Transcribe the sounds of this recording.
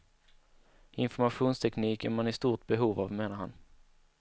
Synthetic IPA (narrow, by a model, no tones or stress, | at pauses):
ɪnfɔɾmaɧuːnst̪ʰɛkniːkənmanɪst̪uːʈ̪̚bɛɦuːvavmeːnaɾha̰n